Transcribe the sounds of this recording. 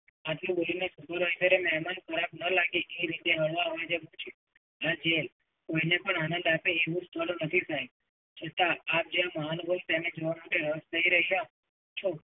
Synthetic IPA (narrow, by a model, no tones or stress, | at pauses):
at̪lũbolinesukəɾʋait̪əɾemɛɦmankʰəɾabnəlaɡeʔeɾit̪eɦəɭʋaɦoed͡ʒebũt͡ʃʰe | ad͡ʒel | koinepəɳanə̃nd̪apeːʋũst̪ʰəlunət̪ʰisʰaj | t͡ʃʰət̪aːp̚d͡ʒeãmaanbʱont̪ened͡ʒoʋamaʈeɾəst̪ʰəɦiɾəɦiɦã | t͡ʃʰo